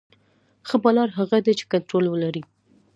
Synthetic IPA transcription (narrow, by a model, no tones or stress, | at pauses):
xəbɑlɑɾɦaɣad̪et͡ʃe̥kant̪ɾolwəlaɾi